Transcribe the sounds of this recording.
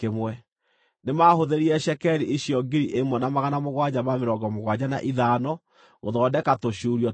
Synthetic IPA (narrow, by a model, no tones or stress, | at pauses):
kemwɛ | nemahoðeɾiɛʃɛkɛɾiʔiɕjɔɡiɾiʔemɔnamaɣanamoɣwad͡ʑamameɾɔɡɔmoɣwad͡ʑana̰ʔiðanɔ | ɣoðɔdɛkatoʃuɾiɔ